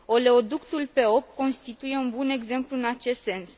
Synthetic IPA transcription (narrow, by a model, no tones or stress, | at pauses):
o̞leo̞d̪ukt̪ulpe̞o̞p̚t̪̚ko̞nst̪it̪uje̞unbune̞ɡze̞mpluɨnat͡ʃe̞st̪se̞ns